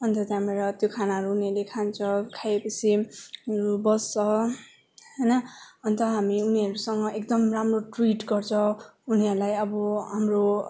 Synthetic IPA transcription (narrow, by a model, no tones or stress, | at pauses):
ʌnt̪ʌt̪jãmeɾʌt̪jokʰanaɦʌɾuːniʌlekʰant͡sʰʌkʰajepʌt͡sʰiɾubʌsʌ | ɦʌjnʌʌnt̪ʌɦamiuniɦʌɾusʌŋɡʌʔek̚d̪ʌmramroʈriʈɡʌrt͡sʰʌ̃uniɦʌɾulajʌbʌɦamro